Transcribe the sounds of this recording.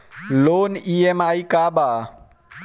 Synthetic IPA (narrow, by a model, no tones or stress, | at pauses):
loːniːemaːikaːbaː